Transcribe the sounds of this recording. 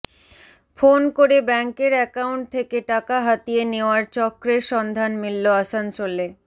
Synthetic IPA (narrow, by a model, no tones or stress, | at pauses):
fonkoɾebɛŋkeɾɛkauɳʈ̚t̪ʰekeʈakaɦat̪ieneoaɾt͡ɕɔkːɾeɾʃɔnd̪ʱanmilːoasansole